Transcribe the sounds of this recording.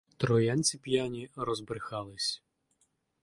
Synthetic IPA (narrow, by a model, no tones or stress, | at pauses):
t̪ɾɔjanʲt͡sʲipjanʲiɾɔzbɾɪxɑlˠɪsʲ